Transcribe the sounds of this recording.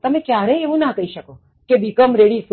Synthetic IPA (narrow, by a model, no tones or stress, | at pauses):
t̪əmẽkjaɾɛeʋũnakəɦiʃəko | kebikəmɾeɽif